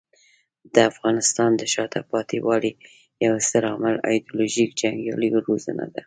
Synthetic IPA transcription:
d̪̥əafɣɑnɪst̪ɑnd̪əʃɑt̪ʰapɑt̪iwɑli | jawsəɾɑməlɑ̰jd̪uloʒikd͡ʒaŋɡɑ̰liɾozə̰na̰d̪a

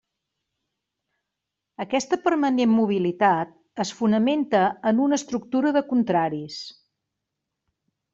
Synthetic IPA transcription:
əkɛst̪əpəɾmənemmuβ̞ilit̪at̪̚ | əsfunəment̪əənunəst̪ɾuk̚t̪uɾəðəkunt̪ɾaɾis

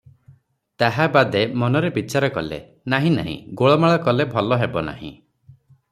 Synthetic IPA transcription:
t̪aɦabad̪emɔnɔɾebit͡ʃaɾɔkɔlḛ | naɦĩna̰ɦḭ̃ɡoɭɔmaɭɔkɔlebʱɔlɔɦebɔna̰hḭ̃

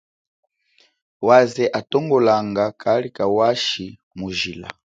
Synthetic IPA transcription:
wazɛʔatɔŋɡɔlaŋɡakʰalikawaʃi | muʒila̰

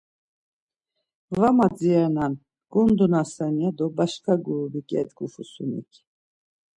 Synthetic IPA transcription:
vamad͡zianan | ɡ̥und̪unasaniad̪ɔbaʃkʰaɡuɾubikʼɛ̰t̪ɡufusunḭkʲʰ

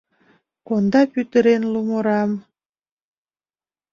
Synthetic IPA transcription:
kond̪ɑpyt̪əɾenlumoɾɑm

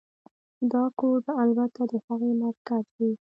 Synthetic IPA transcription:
d̪ɑkoɖalbat̪ad̪əhaɣemaɾkazd̪i

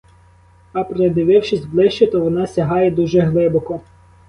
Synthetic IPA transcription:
ɐpɾed̪ɪʋɪwʃɪsʲblˠɪʃt͡ʃet̪ɔʋɔnɑsʲɐɦɑjɛd̪uʒɛɦlˠɪbɔkɔ

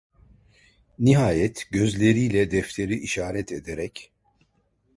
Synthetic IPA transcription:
niɦaːjɛt̪ɟø̞zlʲe̞ɾijlʲɛd̪ɛft̪ʰe̞ɾiʔiʃaːɾɛt̪ʰed̪eɾɛc

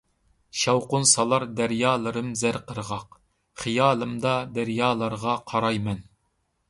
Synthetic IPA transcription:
ʃɑwqʊnsɑlˠɑɾd̪æɾjɑːlˠɨɾɨmzæɾqʰəɾʁɑq | χijɑːlˠɨmd̪ɑd̪æɾjɑːlˠɑɾʁɑqʰɑɾɑjmɛn

